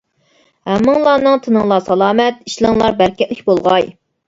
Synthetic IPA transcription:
hɛmːɨŋlˠɑːnɨŋt̪ʰɨnɨŋlˠɑsɑlˠɑːmɛt̪̚iʃlˠɨŋlˠɑɾbæɾkʲɛlɪk̚ʲbolˠʁɑj

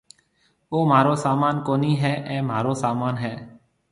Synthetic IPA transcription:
oːmaːɾoːsaːmaːnkoːniːɦɛːʔɛ̃ːmaːɾoːsaːmaːnɦɛː

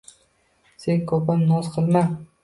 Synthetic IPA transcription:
seŋkʰɒpʰamnɒzqʰɨlˠma

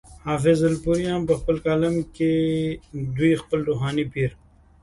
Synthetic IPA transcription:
haːfɪzɐlpuɾijãːmpɐxpəlkaːlɐmke | d̪uixpəlɾuːɦaːnipiːɾ

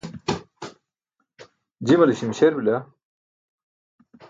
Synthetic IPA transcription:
d͡ʑimɐliɕimɕeɾbila

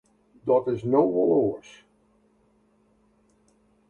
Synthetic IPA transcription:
dɔtɪsnowɔloːs

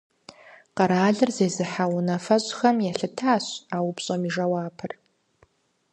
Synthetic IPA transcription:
qɐɾaːɮɨrzeːzɨħawʊnɐfɐɕʼxɐmjɛɬɨtʰaːɕaːwʊpɕʼɐmiʐɐwaːpʰɨr

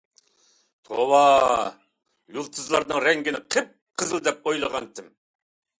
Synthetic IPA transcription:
t̪ʰowɑ | julˠt̪ʰɨzlˠɑɾnɨŋɾɛŋɡʲinɪqʰɨp̚qʰəzɨlˠd̪ɛp̚ojlˠəʁɑnt̪ʰɪm

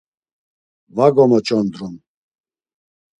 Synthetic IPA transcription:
vaɡɔmɔt͡ʃʼɔnd̪ɾɔn

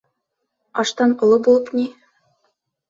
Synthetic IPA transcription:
ɑʃt̪ɑnŏlˠɤbulˠɤpni

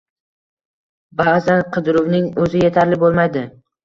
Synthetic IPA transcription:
bazanqʰɨd̪ɾʊvnɪŋɵzɪjet̪ʰaɾlɪbolˠmajd̪ɪ

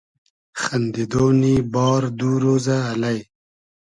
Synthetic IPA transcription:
xɐnd̪id̪oːnibɔːɾd̪uːɾoːzaːlaj

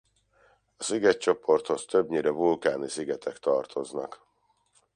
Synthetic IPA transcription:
ɒsiɡɛtt͡ʃo̞po̞rt̪ho̞st̪øbɲiːɾɛvulkaːnisiɡɛt̪ʰɛkt̪ɒrt̪ʰo̞znɒk

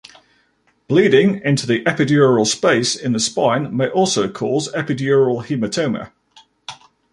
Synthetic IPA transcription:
b̥liːdɪ̃ŋɪ̃ntuðiʔɛpɪdjɔːɹəlˠspeɪsɪ̃nðəspãɪ̃nmeɪʔɔˑlˠsəʊkʰɔːzɛpɪdjɔːɹəlˠhimətʰəʊ̃mə̰

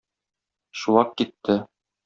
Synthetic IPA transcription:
ʃuwɑqkit̪ːɘ

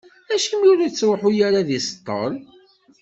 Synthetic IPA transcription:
æʃimjʊɾæt͡sːɾoħʊjaɾaðist̪ˤːə̰ɾˤ

